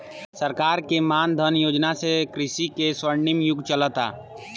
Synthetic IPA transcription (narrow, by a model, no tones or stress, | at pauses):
səɾkaːɾkemaːnd̪ʱənjoːd͡ʒnasekɾɪʃikeswəɾɳɪmjʊɡt͡ʃələt̪a̰ː